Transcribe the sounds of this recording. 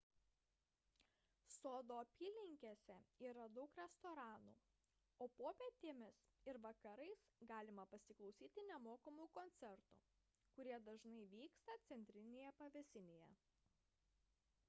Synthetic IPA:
soːd̪oːɐpʲiːlʲɪŋʲkʲesʲɛiːɾɐd̪ɐʊkɾʲɛst̪oːɾɑːnṵː | oːpoːpʲeɛt̪ʲeːmʲɪs | ɪɾʋɐkɐɾɐɪsɡɑːlʲɪmɐpɐsʲɪklˠɒʊsʲiːt̪ʲɪnʲɛmoːkɐmukɔnʲt̪sʲɛɾt̪ṵ | kʊɾʲiɛd̪ɐʒnɐɪʋʲiːkst̪ɐt̪sʲɛnʲt̪ʲɾʲɪnʲeːjɛpɐʋʲɛsʲɪnʲeːjɛ

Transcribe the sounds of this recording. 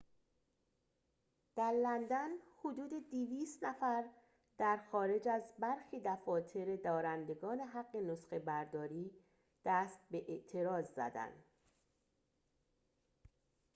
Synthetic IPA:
d̪̥æɾlænd̪ænhod̪uːd̪e̞d̪iviːst̪næfæɾ | d̪̥æɾxɒːɾe̞d͡ʒæzbæɾxiːd̪æfɒːt̪ʰe̞ɾe̞d̪ɒːɾænd̪e̞ɡɒːne̞ɦæɡːe̞nosxe̞bæɾd̪ɒːɾiː | d̪̥æːst̪̚be̞ʔeʔt̪ʰe̞ɾɒːzzæ̰d̪æ̰nd̪̥

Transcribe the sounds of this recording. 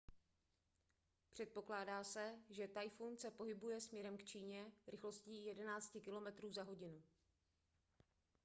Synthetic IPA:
pr̥ɛt̪̚po̞klaːdaːsɛʒɛt̪ajfunsɛpo̞ɦɪbujɛsmɲɛɾɛmkt͡ʃiːɲɛɾɪxlo̞sciːjɛdɛnaːt͡scɪkɪlo̞mɛt̪ɾuːzaɦo̞ɟɪnu

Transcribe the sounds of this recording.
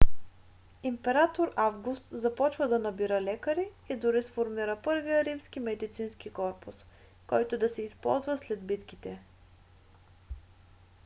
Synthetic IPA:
impɛɾat̪oɾavɡust̪zɐpɔt͡ʃvəd̪ɐnɐbiɾəlɛkəɾi | id̪ʊɾisfoɾmiɾəpɤɾvijəɾimskimɛd̪it̪sinskikɔɾpʊs | kɔjt̪ʊd̪ɐsɛispɔ̰lˠzvəslɛd̪bit̪kit̪ɛ

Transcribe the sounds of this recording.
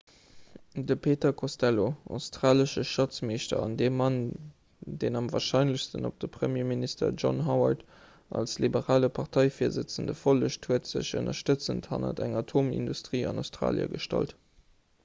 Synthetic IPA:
dəpʰeːtɐkʰostæloaʊstʁ̥aːləʃəʃɑt͡smeːʃtɐ̰ɑndeːmːɑn | deːnɑmvaːʃɑɪnləɕstənop̚d̥əpχəmjeːministə̰ʒɔ̰nɦɑʊɐt | ʔɑ̰lslibəʁaːləpʰɑʁtʰɑɪfiːɐzət͡səndəfoləɕthuətz̥ə̰ɕə̰nɐʃtət͡sənthɑ̰nə̰dæŋɑtʰoːmḭndustʁ̥iːɑ̰naʊstʁa̰ːljə̰ɡəʃtɑ̰lt

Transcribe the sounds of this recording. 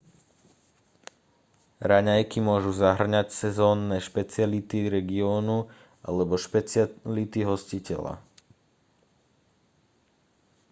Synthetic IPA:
ɾaɲajkimʊɔʒuzaɦr̩ɲacsɛzɔːnːɛːʃpɛt͡sɪalit̪iɾɛɡiɔːnu | ʔa̰lɛbɔʃpɛt͡slit̪iɦɔscicɛ̰la̰

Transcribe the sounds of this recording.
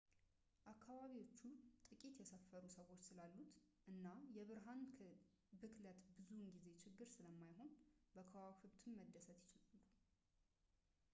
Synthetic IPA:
ʔakʰːaβaβiwo̞t͡ʃːut̪ʼɨkʼit̪jɛsəfːəɾusəwo̞t͡ʃːsɨlalːut̪ʔɨnːajɛβɨɾɦanʰ | bɨkʰlət̪bɨzuɨŋɡize̞t͡ʃʰɪɡːɨɾsɨləmːajho̞nbəkʰəwahɨβt̪ʰɨmməd̪ːəsət̪jɪt͡ʃɪlalːu

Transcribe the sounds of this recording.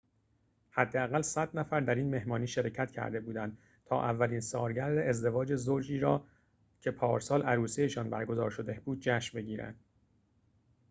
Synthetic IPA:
hæd̪ːeæɣælsæd̪næfæɾd̪æɾiːnme̞hmɒːniːʃeɾecʰæt̪cʰæ̰ɾd̪e̞buːd̪ænd̪ | t̪ʰɒ̰ːʔævːæliːnsɒːɾɟæɾd̪eezd̪e̞vɒːd͡ʒe̞zoɾd͡ʒiːɾɒ̰ː | cʰe̞pʰɒːɾsɒːlæɾuːsejeʃɒːnbæɾɡo̞zɒːɾʃo̞d̪e̞buːd̪̥̚d͡ʒæːʃmbe̞ɟiːɾæ̰nd̪̥̚

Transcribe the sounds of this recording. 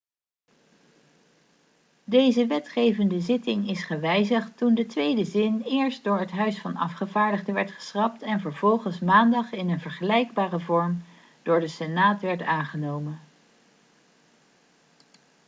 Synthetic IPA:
dejzəʋɛtχejvəndəzɪtɪŋɪsχəʋɛjzəχtundətʋejdəzɪnɪːɹst̚dʊːɹɦətɦœɥsfɑnɑ̰fχəvaːɹdəχdəʋɛɹtχə̥srɑp̚tɛnvəɹvɔlˠχənsmaːndɑχɪnənvəɹχəlɛjɡ̚baːrəvɔɹm | d̥ʊːɹdəsɛnaːtʋɛɹtaːnχənowmən

